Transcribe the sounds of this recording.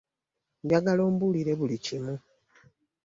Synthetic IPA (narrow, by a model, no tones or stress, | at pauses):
mbjaɡaloːmbuliɾe̞βulicimu